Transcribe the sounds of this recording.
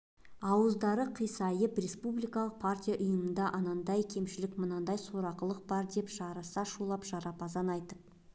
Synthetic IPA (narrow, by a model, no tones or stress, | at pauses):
ɑwəzd̪ɑɾəqʰijsɑjəprespublijkɑlˠəq̚pʰartʲijaʔʊjəmənd̪ɑʔɑnɑnd̪ɑjkʲʰe̞mʃɪlɪkmənɑnd̪ɑjso̞ɾɑqəlˠəq̚bɑɾd̪e̞pʒ̥ɑɾɑsɑʃulˠɑpʒ̥ɑɾɑpɑzɑnɑjt̪əp̚